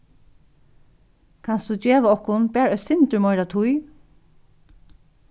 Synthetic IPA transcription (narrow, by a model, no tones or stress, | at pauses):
kʰansd̪ud͡ʒɛːʋaɔhkʊnbɛːɹœçsɪnt̪ʏɹmɔjɾat̪ʰʊj